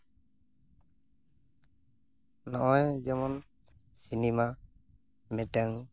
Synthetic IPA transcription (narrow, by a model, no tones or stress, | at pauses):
nɔʔajd͡ʒɛmɔn | sinima | mɛʈaŋ